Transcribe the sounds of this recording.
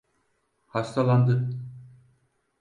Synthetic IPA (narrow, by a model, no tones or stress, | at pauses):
hast̪ʰalˠand̪ɯ